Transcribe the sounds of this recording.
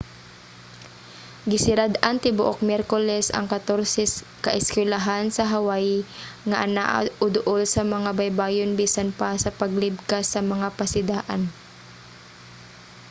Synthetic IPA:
ɡɪsɪɾad̪ant̪ɪbʊʔok̚mjɛɾkolɛsɐ̰ŋkɐt̪oɾsɛs | kɐʔɪskwɛlaɦansɐɦawajŋaʔanaʔʊd̪ʊʔolsɐmɐŋabajbaːjonbiːsanpasɐpɐɡ̚lɪb̚kasːɐmɐŋapɐsɪd̪aːʔa̰n

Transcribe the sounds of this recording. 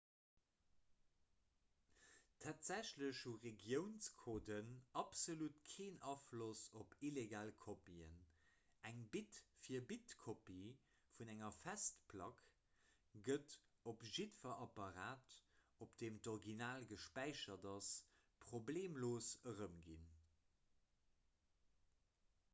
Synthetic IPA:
tʰaːtz̥æɕləɕhuʁeɡjəʊnskʰoːdənɑpsolutkʰeːnɑflosopʰileɡaːlkʰopiə̰næŋbitfiːɐbitkʰopi | funæŋɐfæstpʰlɑk | ɡ̥ət | opʒitfɐʔɑpɑʁaːt | opd̥eːmtoʁɡinaːlɡəʃpæɪʃɐdɑs | pʁobleːmloːsəʁəmɡḭn

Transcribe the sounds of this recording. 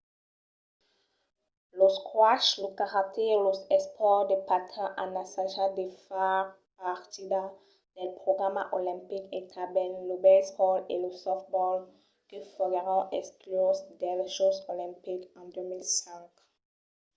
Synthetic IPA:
loskwaʃlokaʁak̚t̪ʰɛlozɛspʰɔʁd̪əpat̪ʰɛ̃ʔanasãʒad̪efaʁ | paʁt̪id̪a | d̪̥ɛlpχoɡamaʔolɛ̃mpiket̪ʰabɛllobɛsʁɔlḛləsɔft̪̚bɔl | kəfɔɡeʁɔ̃ʔɛsklozd̪ɛlʃosolɛ̃mpikɑ̃d̪ømilsɛ̃ŋk

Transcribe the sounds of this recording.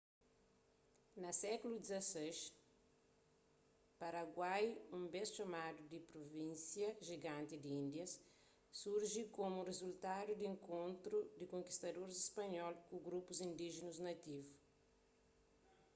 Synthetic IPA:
nɐsɛkulud̪izɐsejʃ | pɐɾɐɡwajũmbesʃɐmad̪ud̪ipɾovĩnsjɐʒiɡãnt̪id̪iĩnd̪jɐsː | uɾʒikomurezult̪ad̪ud̪iẽŋkõnt̪ɾud̪ikõŋki̥st̪ɐd̪oɾzispɐɲɔlkuɡɾupuzĩnd̪iʒinuznɐt̪ivu

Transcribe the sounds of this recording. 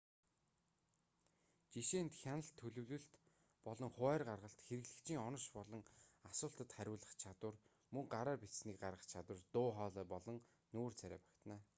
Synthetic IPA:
t͡ɕiʃeːnt̪xʲanə̆ɬt̪ʰɵɮɵ̆wɮɵ̆ɬt̪ | pɔɮɞ̆ŋχʊæːrɢarʁə̆ɬt̪xeɾɘ̆ɣɮɘ̆kt͡ɕʰiːŋɔnɞ̆ʃpɔɮɞ̆ŋasʊːɬt̪ə̆t̪χæɾʲʊːɮə̆χt͡ɕʰat̪wə̆r | mɵŋɢaɾaːpisniːk̚ɢaɾʁə̆χt͡ɕʰat̪wə̆rt̪ʊːχɔːɮœːpɔɮɞ̆ŋ | nuːrt͡sʰæɾʲæ̰ːpæ̥kʲt̪næː

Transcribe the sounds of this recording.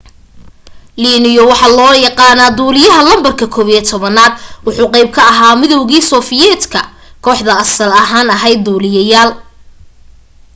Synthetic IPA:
liːnɪjɔwɑħɑlɔːjɑqɑːnaːd̪uːlɪjɐɦɐlɐmbɐrkʰɐkʰɔːβiɛt̪ʰɔβɐnaːd̪̚wʊħuːqɛjb̚kʰɐɐɦaːmɪðɔwɣiːsɔːfɪjɛːt̪kʰɐ | kʰɔːħðɐɐsɐlɐɦaːnɐɦɛjd̪uːlɪjɐjaːl

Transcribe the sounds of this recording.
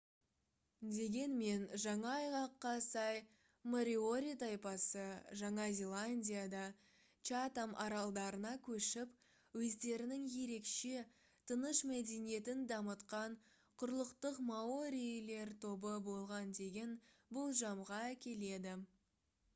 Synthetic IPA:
d̪e̞ɡʲe̞nme̞nʒɑɴɑɑjʁɑqːɑsɑj | moɾʲio̞ɾʲit̪ɑjpɑsəʒɑɴɑzʲe̞lˠanʲdʲijad̪ɑ | t͡ʃat̪amʔɑɾɑlˠd̪ɑɾənɑkʲʰɵʃɪp | wɵzd̪e̞ɾɪnɪŋje̞ɾe̞kʃe̞ | t̪ʰənəʃmæd̪e̞nije̞t̪ɪnd̪ɑmət̪qɑɴ | qʰʊɾlˠəqt̪əqmaoɾʲile̞ɾt̪ʰo̞bəbo̞lˠʁɑnd̪e̞ɡʲe̞nbolˠʒɑmʁɑækʲe̞le̞d̪ɪ

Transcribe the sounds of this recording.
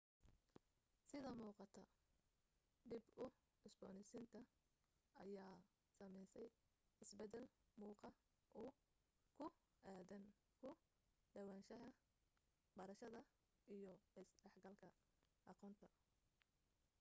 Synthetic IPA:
sɪðɐmuːqɑt̪ʰɐ | ɖɪbʊ | ɪsbɔːnɪsɪnt̪ʰɐ | ʔɐjaː | sɐmɛjsɛj | ɪsbɛd̪ɛlmuːqɑ | ʔʊ | kʰʊ | ʔaːðɐn | kʰʊ | ɖɐwɑːnʃɐɦɐ | bɐɾɐʃɐðɐ | ʔijɔsɖɛħɡɐlkʰɐ | ʔɑqɔːnt̪ʰɐ

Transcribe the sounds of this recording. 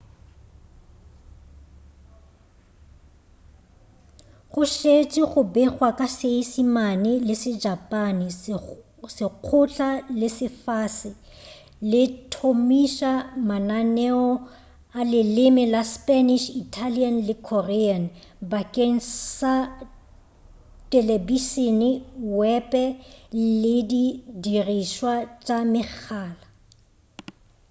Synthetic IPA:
ɣʊʃet͡ʃʼɪɣʊbɛχwakʼaseisimanɪlɪsɪd͡ʒapʼanɪ | sɪq͡χʰʊt͡ɬʼalɪsɪfasɪ | lɪtʰomiʃamananɛɔ | alɪlɪmɪlaspʼaniʃitʰalianlɪkʰɔrɛan | bakʼeŋ̩sa | tʼɛlebiʃinɪwɛpʼɛlɪdidiriʃwat͡ʃʼamɪk͡xʰaːla

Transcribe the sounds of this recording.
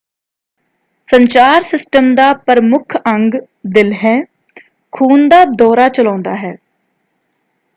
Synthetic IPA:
səɲt͡ʃaːɾsɪsʈəmd̪aːpəɾmʊkʰəŋɡ | d̪ɪlɦɛː | kʰuːnd̪aːd̪ɔːɾaːt͡ʃəlãːnd̪aːɦɛː

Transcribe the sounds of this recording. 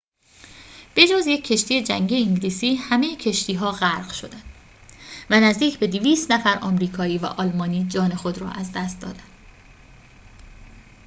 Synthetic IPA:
b̥e̞d͡ʒɒːzjecʰːe̞ʃt̪ijed͡ʒæŋɟieiŋɟliːsiːhæmejecʰe̞ʃt̪ʰiːɦɒːɣæɾɢʃo̞d̪ænd̪ | vænæzd̪iːcʰbe̞d̪iviːst̪næfæɾʔɒːmɾiːkʰɒːiːvæ̰ʔɒːlmɒːniːd͡ʒɒːne̞xo̞d̪ɾɒ̰ːʔæzd̪æst̪̚d̪ɒ̰ːd̪ænd̪̥

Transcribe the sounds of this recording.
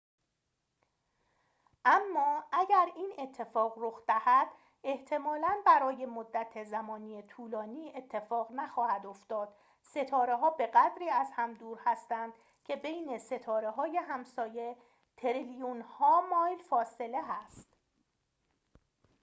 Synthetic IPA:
ʔæmːɒːæɟæɾiːne̞t̪ʰːe̞fɒːɣroxd̪æhæd̪ | e̞ht̪ʰe̞mɒːlænbæɾɒːje̞mod̪ːæt̪ʰezæmɒːniːet̪ʰuːlɒːniːe̞t̪ʰːe̞fɒːɣnæxɒːhæd̪o̞ft̪ɒːd̪̥ | se̞t̪ʰɒːɾe̞ɦɒːbe̞ɣæd̪ɾiːæzhæmd̪uːɾhæst̪ænd̪̥ | cʰe̞be̞jne̞se̞t̪ʰɒːɾe̞ɦɒːje̞ɦæmsɒːje | t̪ʰeɾelijunhɒːmɒːjlfɒːse̞le̞ɦæst̪

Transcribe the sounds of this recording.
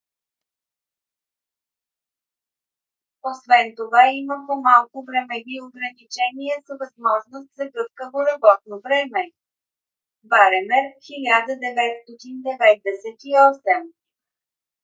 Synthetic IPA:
osvɛnt̪ovaiməpomalˠkʊvɾɛmɛd̪ioɡɾɐnit͡ʃɛniəsəvɐzmɔʒnost̪zɐɡɤfkəvoɾɐbɔt̪̚novɾɛmɛ | baɾɛmɛɾxilʲad̪əd̪ɛvɛt̪st̪ɔt̪ind̪ɛvɛt̪̚d̪ɛsɛt̪iɔsɛm

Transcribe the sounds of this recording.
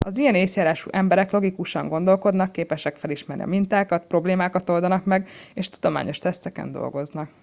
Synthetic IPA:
ɒzijɛneːsjaːɾaːʃṵʔɛmbɛɾɛklo̞ɡikuʃɒŋɡo̞nd̪o̞lko̞d̪nɒkːeːpɛʃɛkfɛliʃmɛrnḭɒ̰mint̪aːkɒt̪pro̞bleːmaːkɒt̪old̪ɒnɒkmɛɡeːʃt̪ud̪o̞ma̰ːɲʔo̞ʃt̪ɛst̪ɛkɛ̰nd̪o̞̰lɡo̞znɒk

